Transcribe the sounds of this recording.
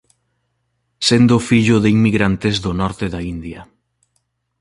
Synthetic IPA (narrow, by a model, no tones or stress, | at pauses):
send̪ʊfiʎʊðeiŋmiɣɾant̪ɪzðʊnɔɾt̪ɪðaind̪jɐ